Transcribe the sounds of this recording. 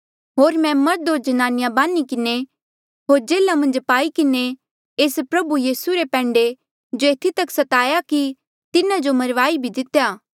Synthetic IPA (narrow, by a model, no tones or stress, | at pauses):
ɦoːɾmɛ̃mɐɾd̪od͡ʒɐnaːnɪjabaːnikɪne | ɦoːɾd͡ʒeːlamɐ̃nd͡ʒpaːikɪne | eːspɾɐbujiːsuɾepɛ̃ːɳɖe | d͡ʒoeːt̪ʰit̪ɐksɐt̪aːjaki | t̪ɪnad͡ʒomɐɾʋaːibʱid̪ɪt̪jaː